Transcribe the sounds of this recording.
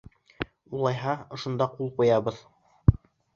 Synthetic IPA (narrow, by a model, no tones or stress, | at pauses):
ulˠɑjɦɑŏʃŏnd̪ɑqulˠqujɑβɤð